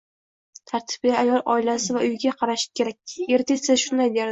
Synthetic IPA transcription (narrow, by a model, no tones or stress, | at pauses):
t̪ʰaɾt̪ʰɪ̥b̚ɡʲaajɒlˠʔɒ̰ɪlasɪvaʔʊjɡʲaqʰɑɾaʃɪ̥kʲʰe̞ɾak̚ʲe̞ɾt̪ʰesɪzʃʊnd̪ajd̪e̞ɾd̪ɪ